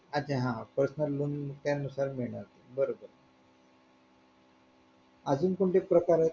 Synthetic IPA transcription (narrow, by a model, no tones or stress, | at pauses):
ad͡ʑeɦãpəɾsənəlːuːnmt̪janusaɾmiɭɳaɾt̪ebəɾobəɾ | əd͡zuːnkuɳʈepɾəkaɾe